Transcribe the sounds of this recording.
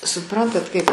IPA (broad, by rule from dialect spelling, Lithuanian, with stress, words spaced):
sʊˈprɐntɐt kɐɪp